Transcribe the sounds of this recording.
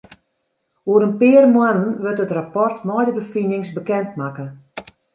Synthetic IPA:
oəɾənpɪərmwanənʋøtətrapɔrtmɔjdəbəfinɪŋsbəkɛntmakə

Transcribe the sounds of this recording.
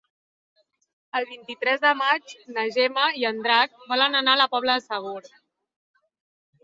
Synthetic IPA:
əlˠβint̪it̪ɾɛzðəmad͡ʒnəʒɛməiənd̪ɾak̚bɔlənənaləpɔβləðəsəβ̞oɾ

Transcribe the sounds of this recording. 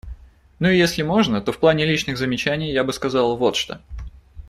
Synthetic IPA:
nuɪjesʲlʲɪmo̞ʐnət̪o̞fplˠanʲɪlʲit͡ɕnɨɣzəmʲɪt͡ɕænʲɪjjabɨskɐzɑlˠvo̞t̪ʂt̪o

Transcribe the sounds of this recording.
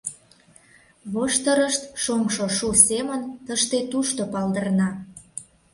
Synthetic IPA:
βoʃt̪əɾəʃt̪ʃomʃoʃusemənt̪əʃt̪et̪uʃt̪opɑld̪ərnɑ

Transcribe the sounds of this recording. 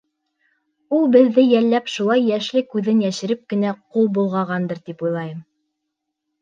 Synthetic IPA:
ulˠbɘ̆ðːɘjælːæpʃulˠɑjːæʃlɘkʉðɘnjæʃɘ̆ɾɘp̚kɘ̆næqulˠbulˠʁɑʁɑnd̪ɤɾt̪ipujlˠɑjɤm

